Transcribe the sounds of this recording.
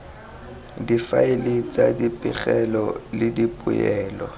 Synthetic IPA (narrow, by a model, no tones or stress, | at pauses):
difaɪlɪt͡sʼadipʼɪχɛlɔlɪdipʼʊjɛːlɔ